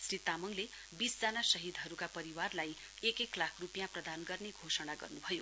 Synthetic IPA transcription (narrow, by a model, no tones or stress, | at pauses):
srit̪amʌŋle | bisd͡zanasʌɦid̪ʱɦʌɾukapʌɾiwarlaj | ekeklakʰrupjãprʌd̪anɡʌrneɡʱosʌɽ̃aɡʌ̰rnubʱʌjo